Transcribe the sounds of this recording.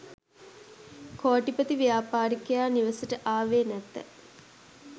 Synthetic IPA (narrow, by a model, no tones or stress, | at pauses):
koːʈipət̪iʋijaːpaːɾikəjaːniʋəsəʈəʔaːʋeːnæt̪ːə̰